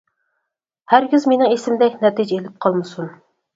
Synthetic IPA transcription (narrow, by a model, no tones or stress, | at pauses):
hæɾɡʲizmenɪŋesɪmd̪ɛkʲnɛt̪id͡ʒɛelɪp̚qʰɑlˠmɨsun